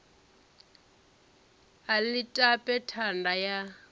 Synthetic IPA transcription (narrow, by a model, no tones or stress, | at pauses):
alitʼapʼɛtʰandaja